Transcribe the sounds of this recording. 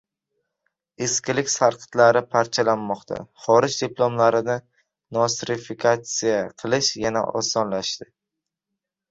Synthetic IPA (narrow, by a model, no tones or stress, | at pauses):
eskʲɪlɪkʲsaɾqʰɨ̥t̪laɾɪpʰaɾt͡ʃʰalanːɒqt̪ʰa̰χɒɾɪd͡ʒd̪iplˠomlaɾɪnɪ | nɒsɾɪfikʰat̪sijaqʰɨlˠɪʃjana̰ʔɒ̰sɒnlaʃt̪ɪ